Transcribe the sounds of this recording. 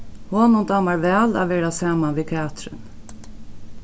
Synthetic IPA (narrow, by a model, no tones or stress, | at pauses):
hɔːnʊnt̪ɑːmaɹvæːla̰ʋɛːɾasaːmanʋiːt̪ʰɛaːt̪ɾɪ̰n